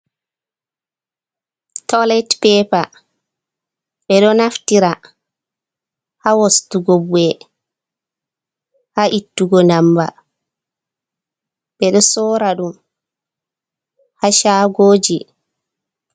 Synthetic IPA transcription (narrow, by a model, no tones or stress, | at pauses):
tɔlɛtpɛːpa | ɓɛɗɔnaftiɾa | hawɔstuɡobuɛ | haʔitːuɡɔnamba̰ | ɓɛɗɔsɔːɾaɗum | haʃaːɡoːd͡ʒi